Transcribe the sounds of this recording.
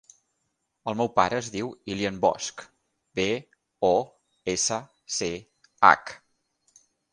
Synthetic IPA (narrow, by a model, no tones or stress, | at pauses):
əlˠmɛwpaɾəːzðiwiliəmbɔ̰sk | be | ɔ | esə | se | a̰k